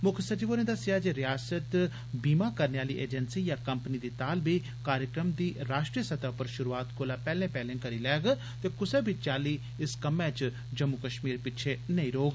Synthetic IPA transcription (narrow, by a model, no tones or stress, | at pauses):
mʊkʰsət͡ʃiːʋoːnẽːd̪asɪjaːd͡ʒeːɾɪjaːsət̪ | biːmaːkəɾneːaːliːʔḛːd͡ʒənsiːjãːkəmpnid̪iːt̪aːlbiː | kaːɾjəkɾəmd̪iːɾaːʃʈɾijəsət̪aːpəɾʃʊɾuːaːt̪koːlaːpɛːlẽːpɛːlẽːkəɾiːlɛːɡ | t̪eːkʊseːbit͡ʃaːliː | ɪskəmẽːt͡ʃ | d͡ʒəmːʊkəʃmiːɾpɪt͡ʃʰeːnəĩːɾoːɡ